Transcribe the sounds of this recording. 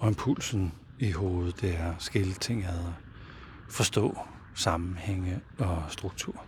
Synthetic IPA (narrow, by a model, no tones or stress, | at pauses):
ɒ̽empʰul̰sn̩ | iɦo̝ːð̩ˠd̥eæɐsɡ̥e̝lət͡sʰe̝ŋ̰æðˠɐ | fɒ̽sd̥ɔ̰̽ː | sɑ̈mm̩heŋ̰əɒ̽sd̥ʁuɡ̥̚t͡sʰuɐ̰